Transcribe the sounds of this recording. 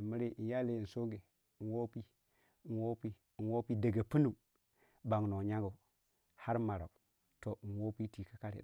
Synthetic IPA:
mi˦ɾe˦ʔi˨n˦ja˦le˦i˨n˨so˦ɡe˨ | nwo˦pi˦˨ | nwo˦pi˦˨ | nwo˦pi˦də˨ɡa˨pi˦nu˨ | ba˨ŋno˨ɲa˦ɡo˨ | ha˦ɾma˨ɾa̰˨u˨ | to˨nwo˦pi˦ti˨ka˦ka˦ɾḛ˨

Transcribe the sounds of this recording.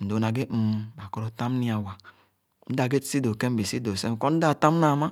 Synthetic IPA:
n̩˨do˨na˨ɡe˦˨m˨ba˨ko˦ɾo˦ta˦m˦ni˦a˨wa˨ | n̩˦da˨ɡe˦˨si˦do˨ke˦m˦bi˨si˦do˨se˦m˨ko˦n̩˦da˦˨ta˦m˦na˨ma˦

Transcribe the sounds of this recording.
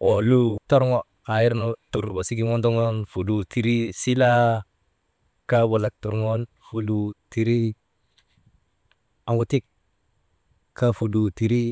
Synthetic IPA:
o˨lu˦to˦ɾŋo˦ | a˨ji˦ɾno˨tu˨ɾba˨si˦ɡi˦ŋo˦ndo˦ŋo˦nfu˨du˨ti˦ɾi˦si˦la˦ | ka˦bo˨la˦k̚tu˨ɾŋo˦n | fu˨lu˨˦ti˨ɾi˦ | a˨ŋwu˦ti˦k̚ | ka˦fu˨du˨ti˨ɾi˦

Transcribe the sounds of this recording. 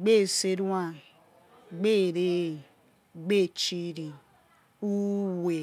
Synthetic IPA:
ɡ͡be˦˨se˦ɾu˦a˦˨ | ɡ͡be˦˨ɾe˦ | ɡ͡be˦˨t͡ʃi˦ɾi˨ | u˦we˨

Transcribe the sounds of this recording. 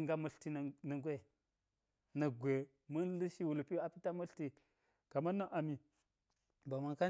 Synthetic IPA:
ŋɡa˦mə˦ɬti˦˨nə˨ɡʷe˦ | na˨ɡʷe˨ | mə˦n˦lə˦ʃi˦wu˨lpi˦a˨pi˦ta˦mə˦ɬti˨ | ka˨ma˦na˦ʔa˨mi˨ | ba˨ma˨ka˦

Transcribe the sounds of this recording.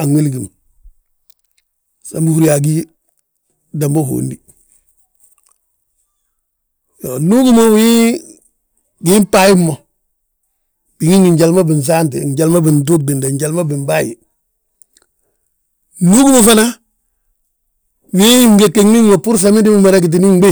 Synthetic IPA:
a˨ŋwe˦lɡi˨m | sa˦mbu˦hu˦ɾija˨ɡi˦ | da˨mbo˦ɦo̰ːndi | jonu˦ɡu˦mo˦wi˦ | ɡimpaji˦mo˨ | b̥i˨ŋi˦ŋi˨ɲɟalma˦bi˨ns̬aːnt̬ḛɲɟa˨lma˦bi˨nd̬u˦k̚di˨nde˨ɲɟa˨lma˦bi˨mbaːjḭ˨ | nu˦ɡu˦mo˨fana˦ | wi˦ŋɡe˨kːe˦ŋmi˦ŋmo˨pu˦ɾs̬ami˦di˦moma˨ɾeɡi˨t̬i˦ni˦ŋ˦be˦

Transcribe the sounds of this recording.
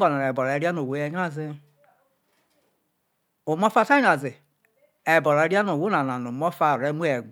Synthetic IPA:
ɔ˨na˨ɾe˨bɔ˨ɾe˨˦ɾi˦a˦no˨wo˨˦je˦ɲ˦a˦zi˦ | o˨mɔ˦fa˦ta˦ɲa˨zi˨ | e˨bɔ˨ɾɾi˦a˦no˨wu˦a˨na˨no˨mɔ˦fa˦˨ɾe˦mu˦e˨

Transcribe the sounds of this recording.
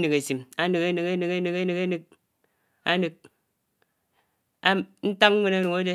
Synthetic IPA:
nɨ˨ke˨si˨ma˦nɨ˨ke˦nɨ˨ke˦nɨ˨ke˦nɨ˨ke˦nɨ˨ke˦nɨ˨k̚ | a˦nɨ˨k̚ | a˦n̩˦ta˦k̚ŋ˦ŋʷe˦na˦no˨ŋa˦de˦

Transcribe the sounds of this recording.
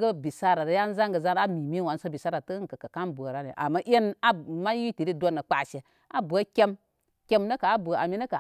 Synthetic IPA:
ɡə˦bi˨sa˦ɾa˨ɾə˨˦ja˦n˦za˦ŋɡə˨za˦n˦a˦mi˨mi˦wa˨˦nso˦bi˨sa˦ɾa˨tə˦ka˨ka˨ka˦nbu˨a˨ɾa˦nḭ˨ʔa̰˨mːa˦ʔe˦na˦ma˦ji˦ti˨ɾi˦do˦nːə˨k͡pa˨ʃe˨ | a˦bu˨a˦kʲe˦m | kʲe˦mnə˦ka˨a˦bu˨a̰˨mi˦nə˦ka˨

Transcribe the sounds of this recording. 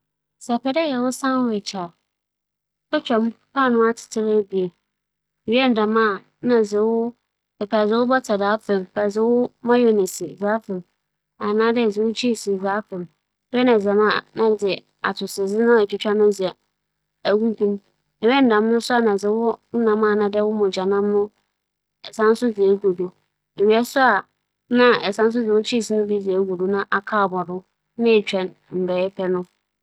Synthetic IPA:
sɛ˨pɛ˨dɛ˦jɛ˨wʊ˦sã˦n˦wt͡ɕʰa˨˦ | ɔ˦t͡ɕᶣa˨m˦pʰaː˦˨nʊ̃˦a˦tʰɪ̥˨tʰɪ˦ɾa˦bi˨e˨ | ɥɛ˦n̩˨dã˨mã˦˨ | nã˨zɪ˨wʊ˦ | ɛ˨pʰaː˨zɪ˨˦wʊ˦bɔ˦tʰa˨daː˨˦fɛ̃˨m˨pʰa˨zɪ˨˦wʊ˦mã˦jo˨nɪ̃˨sɪ˨zaː˦fɛ̃˨m | a˨nãː˦dɛ˦˨zɪ˨wʊ˦t͡ɕʰi˦˨si˨zaː˦fɛ̃˨m˦ | ɛ˦nã˨za˨mã˦˨nã˦d͡zɪ˨ | a̰˨tʰʊ˨sɪ˨d͡zɪ˦nʊ̃˦ɛ˨t͡ɕᶣɪ˦t͡ɕᶣa˦nʊ̃˦d͡zɪ˨ɛ˨ | æ˨ɡu˦tʰũ˦m | ɛ˨wɛ˦n̩˨dã˨m˦nʊ̃˦sʊ˦a˨nã˨d͡zɪ˨˦wʊ˦n̩˦nã˨mã˦˨nã˨dɛ˦wʊ˦mʊ̃˨d͡ʑa˨nã˦m˦nʊ̃˦ | ɛ˨sã˦n˦sʊ˦d͡zɪ˨e˨ɡo˨do˨ | e˨ɥi˨˦ɛ˦sʊ˦a˨ | nã˦ɛ˨sã˦n˦s̬ʊ˦d͡zɪ˨wʊ˦t͡ɕʰi˦˨si˨nʊ̃˦bi˦d͡zɪ˨ɛ˨˦ɡu˨do˨nã˦ʔa˨kʰaː˦˨bɔ˨dʊ˦ | nɪ̃˦˨t͡ɕᶣɛ̃˨n | m̩˨bɛ˨˦ɛ˦pʰɛ˦nʊ̃˦

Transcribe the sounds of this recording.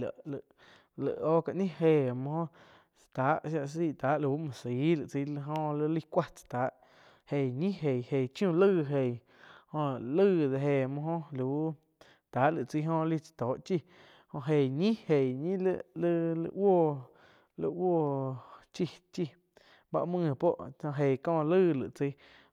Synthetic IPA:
la̰˨ʔlə˧˨ʔ | lə̰˨ʔoː˦ka˧˨ʔɲĩ˦ɦeː˧˨mõ˧hõ˦ʔ | t͡st̪aː˨˦ʔʃa˧ʔs̬iː˦˧˨t̪aː˨˦ʔlu˧u˦mɔ̃˨si˨˦lɨ˨ʔt͡si˧˦lə˧ɦõ˧lə˧li˦kʷa˦˧t͡sḁ˧t̪aː˨˦ʔ | he˨ɲĩ˦ɦe˨he˨t͡ʃjũ˦˧˨lɨː˦˧ɦe˨ | hõ˧lɨː˦˧ðe˧ɦe˧˨mɔ̃˧ɦõ˦lu˨˦ | t̪aː˨˦ʔlɨ˨t͡si˧˦ɦõ˧li˦˧t͡sḁ˧t̪oː˨˦ʔt͡ʃi˦ | hõ˧ʔɦe˨ɲĩ˦he˨ɲĩ˦llɨ˦˧lɨ̰˧woː˦˧˨ | lɨ̰˧woː˦˧˨t͡ʃi˧t͡ʃi˧ | ba̰˧ʔmɨ̃˧˨po˦ʔã˧ɦe˨kɔ̃ː˧˨˧lɨː˦˧lɨ̰˨t͡si˧˦

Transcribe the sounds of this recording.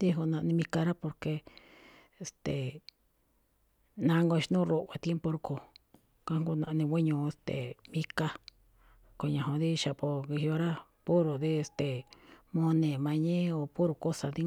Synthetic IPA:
d̪i˦ɦu˧nã˧nĩ˧mĩ˧ka˧ɾa˦po˧ɾke˧ | e˧˨st̪e˨ | nã˧ŋɡo˧ʃnũ˦ɾo˧ʔa˧t̪je˦mpo˧ɾu˧ko˧˨ | ka˦ŋ˦ɡu˧nã˧nĩ˧wʷi˦ɲũ˧e˧st̪ḛ˨mĩ˦ka˧ | ko˧ɲã˨õ˧ði˦˧ʃa˨po˧ki˧hi˧o˧ɾa˦pu˦ɾo˨ði˦e˧st̪e˨mõ˧nẽ˨mã˧ɲẽ˦o˨pu˦ɾu˨ko˦sa˨ði˦

